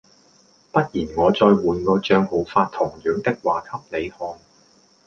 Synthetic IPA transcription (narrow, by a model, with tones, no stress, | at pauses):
pɐ˥t̚jiː˨˩nŋɔː˨˧t͡sɔː˧jwuː˨˧nkɔː˧t͡ʃœː˧ŋho˨˥wfaː˧t̪ʰʊ˨˩ŋjœː˨˥ŋt̪ɪ˥k̚waː˨˩kʰɐ˥p̚le˨˧jhɔː˨˧ŋ